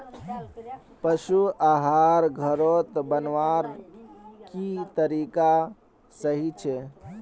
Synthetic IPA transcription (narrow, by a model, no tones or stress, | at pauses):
pəʃuʔaɦaɾɡʱəɾot̪bənʋaɾ | kit̪əɾika | səɦit͡ʃʰɛ